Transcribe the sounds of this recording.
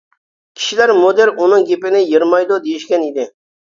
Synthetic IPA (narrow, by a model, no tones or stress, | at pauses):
kʲʰi̥ʃilæɾmod̪eɾunɨŋɡʲepɪnɪjiɾmɑjd̪od̪ejiʃkʲɛnid̪ɪ